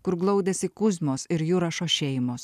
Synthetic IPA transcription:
kʊɾɡlˠɐʊd̪ʲɛsʲɪkʊzmoːsɪɾjuːɾɐʃoːʃʲɛɪmoːs

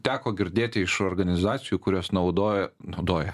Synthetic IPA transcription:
t̪ʲæːkoːɡʲɪɾʲd̪ʲeːt̪ʲɪɪʃoːɾɡɐnʲɪzɑːt̪sʲɪjuːkʊɾʲoːsnɐʊd̪oːjɛnɐʊd̪oːjɛ

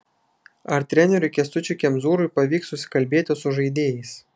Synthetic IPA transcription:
ɐɾt̪ʲɾʲɛnʲɛɾʲʊkʲɛst̪ʊt͡ʃʲʊkʲɛmzuːɾʊjpɐʋʲiːksːʊsʲɪ̥kɐlʲbʲeːt̪ʲɪsʊʒɐɪd̪ʲeːjɛɪs

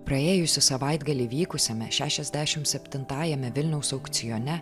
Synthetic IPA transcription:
pɾɐeːjʊsʲɪsɐʋɐɪd̪ɡɐlʲiʋʲiːkʊsʲɛmʲɛʃʲæːʃʲɛzʲd̪ʲæːʃʲɪmsʲɛpʲt̪ʲɪnt̪ɑːjɛmʲɛʋʲɪlʲnʲɛʊsɒʊkt̪sʲɪjonʲɛ

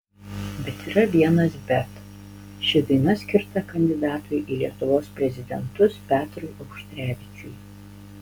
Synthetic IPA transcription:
bʲɛt̪iːɾɐʋʲiɛnɐsbʲɛt̪ | ʃʲɪd̪ɐɪnɐsʲkʲɪɾt̪ɐkɐnʲd̪ʲɪd̪ɑːt̪ʊjʔiːlʲiɛt̪ʊʋoːspʲɾʲɛzʲɪd̪ʲɛnt̪ʊspʲæːt̪ʲɾʊɪʔɐʊʃʲt̪ʲɾʲæːʋʲɪt͡ʃʲʊj

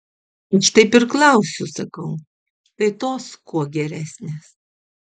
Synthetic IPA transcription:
ɪʃt̪ɐɪpɪɾklˠɐʊsʲʊsɐkɐʊ | t̪ɐɪt̪oːskuɔɡʲɛɾʲæːsʲnʲeːs

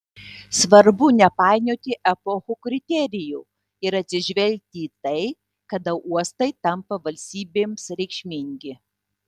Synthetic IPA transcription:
sʋɐɾbʊnʲɛpɑˑɪnʲoːt̪ʲɪʔɛpɔxuːkɾʲɪt̪ʲɛɾʲɪjuː | ɪɾɐt̪ʲsʲɪʒʲʋʲɛlʲk̚ʲt̪ʲiːt̪ɐɪ | kɐd̪ɐʊʔuɔst̪ɐɪt̪ɐmpɐʋɐlʲsʲt̪ʲiːbʲeːmsɾʲɛɪkʃʲmʲɪŋʲɡʲɪ

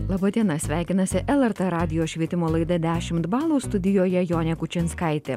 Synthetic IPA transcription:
lˠɑːbɐd̪ʲiɛnɐsʲʋʲæˑɪkʲɪnɐsʲɪʔɛlˠɛɾt̪ɛɾɑːd̪ʲɪjoːʃʲʋʲiɛt̪ʲɪmoːlˠɐɪd̪ɐd̪ʲæːʃʲɪmt̪bɑːlˠuːst̪ʊd̪ʲɪjoːjɛjoːnʲɛkʊt͡ʃʲɛnskɐɪt̪ʲe

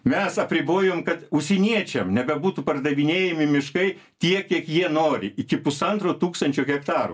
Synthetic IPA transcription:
mʲɛsɐpʲɾʲɪboːjoːmkɐt̪ʊʃsʲɛnʲiɛt͡ʃʲɛmnʲɛbʲɛbuːt̪upɐrd̪ɐʋʲɪnʲeːjɛmʲɪmʲɪʃkɐɪ | t̪ʲiɛkʲiɛkjiɛnoːɾʲɪʔɪkʲɪpʊsɐnt̪ɾoːt̪uːkst̪ɐnʲt͡ʃʲoːɣʲɛkt̪ɑːɾṵ

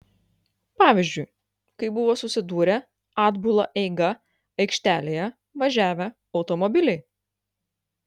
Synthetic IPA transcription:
pɑːʋʲɪzʲd͡ʒʲʊɪ | kɐɪbʊʋoːsʊsʲɪd̪uːɾʲɛ | ɑːd̪bʊlˠɐʔɛɪɡɐ | ɐɪkʃʲt̪ʲæːlʲeːjɛ | ʋɐʒʲæːʋʲɛ | ɒʊt̪ɔmɔbʲɪlʲɛɪ

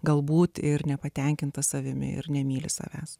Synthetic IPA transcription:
ɡɐlˠbuːt̪ɪɾnʲɛpɐt̪ʲɛŋʲkʲɪnt̪ɐsɐʋʲɪmʲɪ̰ɪ̰ɾnʲɛmʲiːlʲɪsɐ̰ʋʲæːs

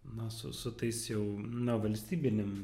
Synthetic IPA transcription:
nɐsʊ̰sʊt̪ɐɪsjɛʊnɐʋɐlʲsʲt̪ʲiːbʲɪnʲɪm

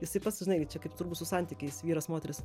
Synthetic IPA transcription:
jɪsɐɪpɑtsʲʒʲɪnɐɪɡʲt͡ʃʲɛkɐɪpt̪ʊɾbusʊsɑnʲt̪ʲiːkʲɛɪsʋʲiːɾɐsmoːt̪ʲɛɾʲɪs

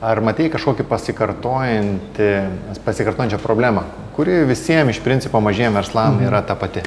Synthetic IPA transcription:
ɐrmɐt̪ʲiːkɐʃkoːkʲɪpɐsʲɪkɐrt̪oːjɪnʲt̪ʲɪɐpɐsʲɪkɐɾrt̪oːjɪnt͡ʃʲɛpɾoːbʲlʲæːmɐ | kʊɾʲɪʋʲɪsʲiɛmɪʃpʲɾʲɪnʲt͡sʲɪpoːmɐʒʲeːjomʋʲɛɾslˠɐmiːɾɐt̪ɐpɐt̪ʲɪ

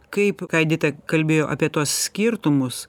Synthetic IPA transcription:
kɐɪpkɐɪd̪ʲɪt̪ʲɛkɐlʲbʲeːjoːʔa̰ːpʲiɛt̪uɔssʲkʲiɾt̪ʊmʊs

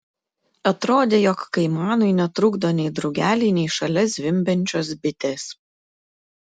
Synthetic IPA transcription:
ɐt̪ɾoːd̪ʲeːjɔkːɐɪmɑːnʊɪnʲɛt̪ɾʊɡd̪onʲɛɪd̪ɾɐʊɡʲæːlʲɛɪnʲɛɪʃɐlʲɛs̬ʲʋʲɪmʲbʲɛnʲt͡ʃʲoːsbʲɪt̪ʲes

